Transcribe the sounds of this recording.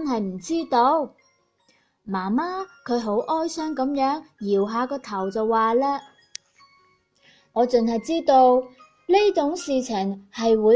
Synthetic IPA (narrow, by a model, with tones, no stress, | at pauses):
nɦɐ˨jm̩˨˩t͡siː˥t̪o˧w | maː˨˩maː˥kʰɵ˨˧ɥɦo˨˥wʔɔː˥jsœː˥ŋkɐ˨˥mjœː˨˥ŋjiː˨˩wɦaː˨˧kɔː˧t̪ʰɐ˨˩wt͡sɐ˨wːaː˨˧lɛː˥ | ŋɔː˨˧t͡sɵ˨nhɐ˨jt͡siː˥t̪o˧w | le˥t͡sʊ˨˥ŋsiː˨t͡sʰɪ˨˩ŋhɐ˨jwuː˨˧